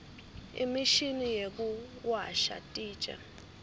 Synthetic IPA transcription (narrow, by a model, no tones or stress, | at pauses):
ḭmiʃinijek̬uwaʃa̰tʼiːt͡ʃʼa̰